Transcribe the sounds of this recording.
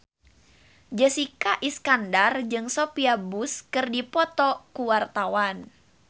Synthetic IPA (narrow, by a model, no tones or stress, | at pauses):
d͡ʒəsikaʔiskandard͡ʒɨŋsopiabuskɨrdipɔt̪ɔkuwart̪awan